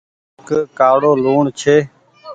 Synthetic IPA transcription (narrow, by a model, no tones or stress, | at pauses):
kkaːɽoːloːɳt͡ʃʰeː